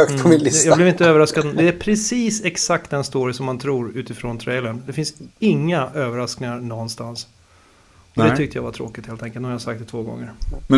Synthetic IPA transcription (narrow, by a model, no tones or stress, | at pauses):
k̪ʰɔmɪnlɪd̪jablɪvɪnt̪əøːvəɾaskad̪d̪ɛæɾpʰɾɛsiːsɛksak̚t̪̚d̪ɛnst̪oːɾɪəsɔmːant̪ʰɾuːɾʉ̟ːt̪ɪfɾoːnt̪ʰɾɛjlənd̪ɛfɪnsɪŋːaʔøːvəɾasknɪŋaɾɳɔnːst̪ans | ɔd̪ɛʏk̚t̪əjavat̪ʰɾoːkɪt̪heːlɛŋkəlhajasakt̪ɛt̪ʰvoːɡɔ̰ŋːəɾmɛ